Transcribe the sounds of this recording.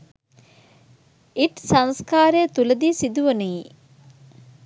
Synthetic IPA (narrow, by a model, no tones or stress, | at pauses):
iʈsɐŋskaːɾejːt̪uləd̪iːsid̪uʋɐnei